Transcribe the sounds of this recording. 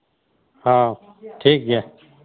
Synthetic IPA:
hãː | ʈʰiːk̚ɡaː

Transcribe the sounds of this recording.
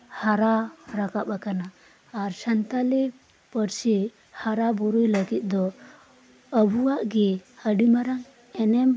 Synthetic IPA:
haɾaɾakapakanaː | ɾsant̪alɛ | pəɾsɛ | haɾabɔɾujləɡit̪̚ˀd̪ɔ | əbuwaʔɡɛəɖimaɾaŋ | ɛnɛm

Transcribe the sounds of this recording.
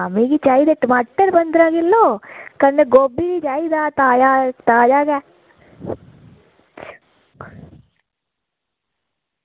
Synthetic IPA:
amiːɡiːt͡ʃaːiːd̪eːʈəmaːʈəɾbənd̪ɾaːɡɪlːoːkəneɡoːbiːdiːd͡ʒaːiːd̪aːt̪aːd͡ʒaːt̪aːd͡ʒaːɡɛː

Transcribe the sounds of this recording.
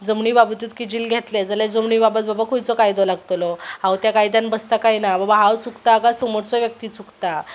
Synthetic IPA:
d͡zəmɳiːbabət̪iːt̪kid͡ʑiːlɡʱet̪led͡zəled͡zəmɳiːbabət̪̚babakʰojt͡sɔkajd̪ɔlaɡt̪lɔɦawt̪jakajd̪anbəst̪akajnababaɦawt͡sukt̪aːkasomoɽt͡sɔʋjək̚t̪iːt͡sukt̪a

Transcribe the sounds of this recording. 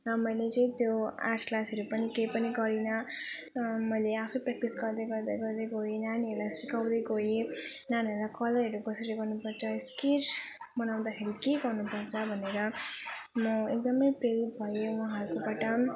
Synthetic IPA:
ʌmʌjlet͡sʌĩt̪joa̰sklasʌɾupʌnikejpʌniɡʌɾinʌ | mʌjleapʰipɾɛk̚ʈisɡʌɾd̪ʌjɡʌɾd̪ʌjɡʌɾd̪ʌjɡoinanelasikawd̪ʌjɡojinanelakʌlʌeɾukʌsʌɾiɡʌrnupʌɾt͡sʰʌsket͡ʃ | bʌnaw̃d̪akʰeɾikeɡʌrnupʌrt͡sʰʌbʱʌneɾʌ | mʌek̚d̪ʌmʌjprelitbʱʌjewãɦʌɾukopaʈʌ

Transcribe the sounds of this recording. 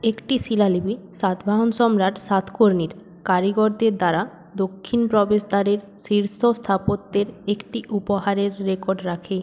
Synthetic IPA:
ekʈisilalibisat̪ʰbʱaɦonʃɔmɾaʈsat̪ʰkoɾniɾ | kaɾiɡoɾd̪eɾd̪aɾa | d̪okʰːinpɾɔbeʃd̪aɾeɾ | siɾsʰost̪ʰapot̪ːeɾekʈiʔupoɦaɾeɾːekoɾɖɾakʰe

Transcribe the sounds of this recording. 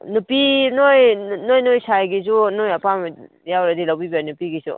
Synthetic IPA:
nupinojnojnojsajɡis̬unojɐpam | jawɾadilawbibanupiɡisṵ

